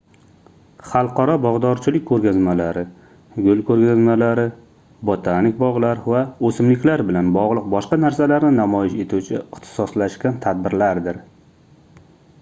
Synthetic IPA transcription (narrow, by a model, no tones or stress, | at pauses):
χɑlˠqʰɑɾɒbɒʁd̪ɒɾt͡ʃʰɪlɪkʲkʰːɵɾɡʲazmalaɾɪ | ɡʲʊlkʰɵɾɡʲazmalaɾɪ | bot̪ʰanɪkʲbɒʁlˠaɾvaɵsɪmlɪkʲlaɾbɪlanbɒʁlˠɨq̚bɒʃqɑnaɾsalaɾnɪnamɒjɪʃe̞t̪ʰuwt͡ʃʰɪɪχt̪ʰɪ̥sɒslaʃkʲant̪ʰad̪̚bɪɾlaɾd̪ɪɾ